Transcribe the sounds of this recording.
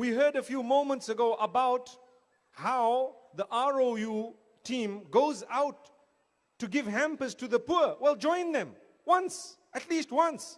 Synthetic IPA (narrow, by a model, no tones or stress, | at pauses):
wiɦɜ˞dəfjuːmõʊmə̃ntsəɡoʔəbaʊt | haʊðiʔaɹoju | tʰĩːmɡoʊzaʊtː | uɡɪvɦæ̃mpəstuðəpuwɛlˠd͡ʒɔ̃ɪ̃nðɛ̃m | wʌ̃nsʔətʰliːstwʌ̃ns